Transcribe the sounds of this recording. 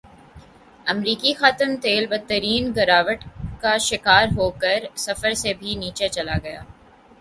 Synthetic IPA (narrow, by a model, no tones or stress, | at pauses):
ɐmɾiːkixaːt̪əmt̪eːlbɐt̪ːəɾiːnɡɐɾaːʋəʈkaʃɪkaːɾɦoːkəɾsɐfəɾsebʱiniːt͡ʃet͡ʃɐlaɡɐja̰ː